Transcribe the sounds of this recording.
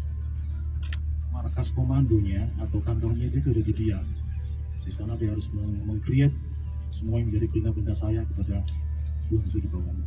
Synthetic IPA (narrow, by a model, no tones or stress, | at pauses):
markaskomandoɲaːt̪awkant̪ɔrɲadiat̪ədadidia | disanadiaɦaɾʊsməməŋkɾiɛt̪̚ | səmuaŋməɲd͡ʒadibənabənt̪asajakəpada | duɦansudibawan